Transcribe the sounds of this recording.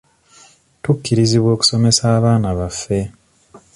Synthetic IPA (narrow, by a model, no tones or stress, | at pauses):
tukːiɾiziβwo̞ːku̥so̞me̞saːβaːnaβafːe̞